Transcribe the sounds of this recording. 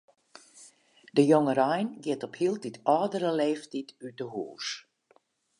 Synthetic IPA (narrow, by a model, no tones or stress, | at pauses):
dəjoŋəɾɔjnɡɪətɔphilˠtitʰɔːdəɾəleːftitytəhuːs